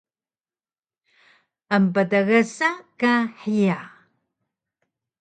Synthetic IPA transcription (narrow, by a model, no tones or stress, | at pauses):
ʔəmpətəɣəsakaħija